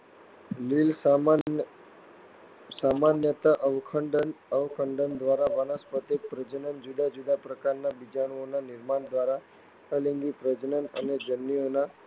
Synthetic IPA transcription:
lils | samanjət̪aʔəʋkʰəɳɖənəʋkʰəɳɖənd̪ʋaɾabənəspət̪epɾəd͡ʒnənd͡ʒuɖ̪ad͡ʒuɖ̪apɾəkaɾnabid͡ʒaɽ̃onanɪɾmaɳd̪ʋaɾa | əliŋɡipɾəd͡ʒnənəned͡ʒənːiona

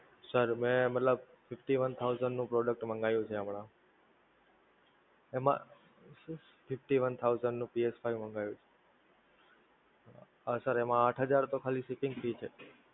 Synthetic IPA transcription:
səɾmɛ̃mət̪ləb̚ | fɪfʈiʋənt̪ʰauzəɳɖnũpɾɔɖək̚ʈmə̃ŋɡajũt͡ʃʰeamɳã | emã̰ | fɪfʈiʋənt̪ʰauzəɳɖnũpiespʰajʋmə̃ŋɡajũt͡ʃʰe̥ | əsəɾemãːʈʰɦəd͡ʒaɾt̪okʰalisikɪ̃ŋɡfit͡ʃʰe

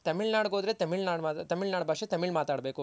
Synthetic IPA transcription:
t̪ɐmiɭnaːɽɡoːd̪ɾet̪ɐmiɭnaːɽat̪ɐmiɭnaːɽbʱaːkʂet̪ɐmiɭmaːt̪aːɽbe̞ːku

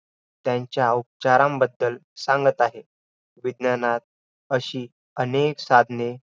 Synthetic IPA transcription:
t̪jaɲt͡ɕjaup̚t͡ɕaɾãmbəd̪ːəlsãŋɡət̪aɦe | ʋid̪njanat̪̚ | əɕiː | əneksad̪ʱne

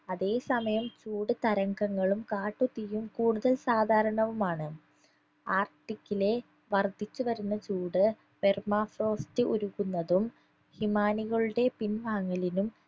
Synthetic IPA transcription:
ɐðe̞ːsɐmɐjɐmt͡ɕuːɽɨt̪ɐɾɐŋɡɐŋːɐɭumkaːʈːut̪ːijumkuːɽuðɐlsaːd̪ʱaːɾɐɳɐʋumaːɳɨ | aːrʈːikʲːile̞ | ʋɐrd̪ʱit͡ɕːuʋɐɾunːɐt͡ɕuːɽɨ | permaːfro̞ːstɨʔuɾuɣunːɐðum | himaːniɣɐɭuɽe̞pinʋaːŋːɐlinum

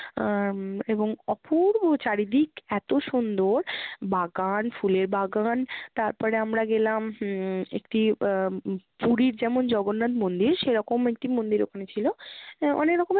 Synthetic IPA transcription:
eboŋɔpʰuɾt͡ɕaɾid̪ikɛt̪oʃund̪oɾbʱaɡanfuleɾbʱaɡant̪aɾpɔɾeamɾaɡelamḛkʈi | puɽiɾd͡ʑɛmond͡ʑɔɡonːat̪mond̪iɾʃeɾɔkomek̚ʈimond̪iɾo̰kʰanet͡ɕʰiloɔ̰nekɾɔkom

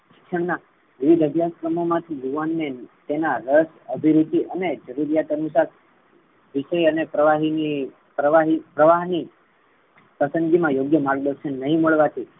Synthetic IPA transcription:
ki̥kʂəɳna | ʋiʋid̪ʱəbʱjaskɾəmomãt̪ʰijuʋanment̪enaɾəs | əbʱiɾut̪iʔəned͡ʒəɾuɾijat̪ənusaɾ | ʋiʃəjənepɾəʋaɦini | pɾəʋaɦipɾəʋaɦni | pəsə̃nɡimãjoɡjəmaɾɡ̚d̪əɾʃənːəɦĩməɭʋat̪ʰi

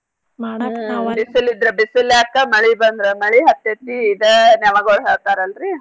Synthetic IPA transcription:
bisilid̪ɾebisilːakːɐmɐɭibɐnd̪ɾemɐɭiɦɐt̪ːet̪niːd̪enaʋɐɡɔɦeɾt̪aːɾɐlɾi

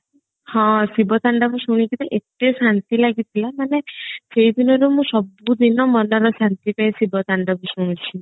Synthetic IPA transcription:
hɔ̃sibɔt̪aɳɖabusuɽ̃ikit̪eʔeʈesant̪ilaɡit̪ʰilamaneseɦid̪inɔɾumũsɔbud̪inɔmɔnɔɾɔsant̪ipaĩsibɔt̪aɳɖɔbusuɽ̃ũt͡ʃʰi

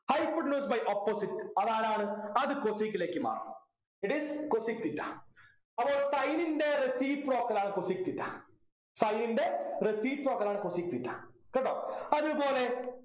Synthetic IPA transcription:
hɐjpːɐɖnoːsbɐjʔopːosiʈɐðaːnaːɳɨɐðɨkosikːileːkːɨma̰ːrɐ̰m | iʈiskosik̚t̪iʈːa̰ | ɐboːsɐjninde̞ɾesiːʋproːkːɐlaːɳɨkosik̚t̪ːiʈːa̰ | sɐjninɖe̞ɾesiːʋproːkːɐlaːɳɨkosik̚t̪iʈːa̰keʈːo̰ːɐðupo̞ːle̞

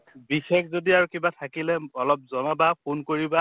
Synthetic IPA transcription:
bixɛkzodiaɹukibatʰakilɛɔlɔp̚zɔnabapʰunkoɹiba

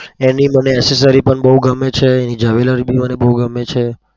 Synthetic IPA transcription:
eniməneɛses̬əɾipəɳbəɦuɡəmːet͡ʃʰeːnid͡ʒəʋeləɾibʱimənebəɦuɡəmːet͡ʃʰe

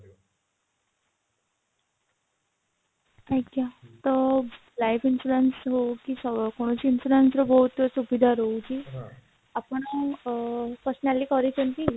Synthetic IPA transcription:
ajkjat̪ə | lajfinsuɾensɦokiːsəkoɽ̃ot͡ɕiːnsuɾensɾɔbɔɦut̪subid̪ʱaɾouki | apəɳ | pəɾsnalːiːkɔɾit͡ɕənt̪i

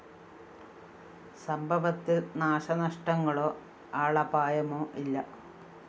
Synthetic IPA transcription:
sɐmbʱɐʋɐt̪ːɨnaːʂɐnɐʂʈɐŋːɐɭoː | aːɭɐbaːjɐmoːʔilːɐ

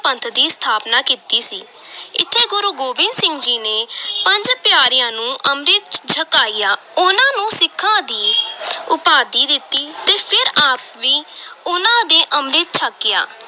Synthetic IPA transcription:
pənt̪ʰd̪iːst̪ʰaːpnaːkiːt̪iːsiː | ɪ̰t̪ʰːeːɡʊɾuːɡoːbɪ̃nd̪sɪ̃md͡ʒiːneːpəɲd͡ʒpjaːɾɪjãːnũːʔəmɾɪt̪t͡ʃʰəkaːiːaː | ʊnãːnũːsɪkʰːãːd̪iːʊpaːd̪iːd̪ɪt̪ːiːt̪eːpʰɪɾaːpʋiːʊnãːd̪eːʔəmɾɪt̪̚t͡ʃʰəkːɪjaː

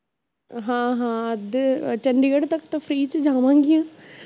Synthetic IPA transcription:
ɦãːɦãːəd̪t͡ʃəɳɖiəɽt̪ɐkt̪ãpʰɾiːt͡ʃd͡ʒãːʋãːŋɡɪjãː

